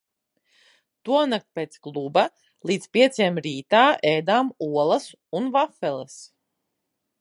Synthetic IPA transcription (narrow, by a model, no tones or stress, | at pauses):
t̪uɔnak̚t̪̚pʲeːt̪sklˠuba | lˠiːt̪spʲiɛt̪sʲɛmɾiːt̪aːʔejd̪aːmuɔlˠɐs | unvafɛlˠɛs